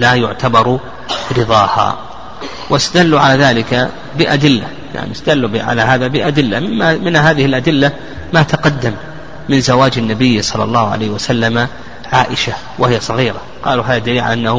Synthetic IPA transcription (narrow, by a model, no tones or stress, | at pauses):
lajʊʕt̪ʰabɑɾˤ | ɾɨðˤɑːha̰ː | wɪst̪ad̪alːuʕalaːðaːlɪka | bɪʔad̪ɪlːa̰ | ja̰ʕnḭst̪ad̪alːbʕa̰laɦaːðabɪʔad̪ɪlːaɪmːamɪnɦaːðɪhɪlʔad̪ɪlːa | mat̪ʰaqɑd̪ːamː | ɪnzawaːd͡ʒanːabɪjːsˤɑlːɑ̰lˤːɑːhʊʕa̰lajːhwasalːama | ʕaːʔɪʃa | wʔahɪjasˤɑɣiːɾa | qɑ̰ːluɦaːðad̪aliːʕa̰ʔanːahʊ